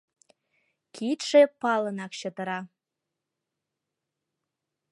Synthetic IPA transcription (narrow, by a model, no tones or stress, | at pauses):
kʰit̪ʃepɑlənɑkɕə̆t̪ə̆ɾɑ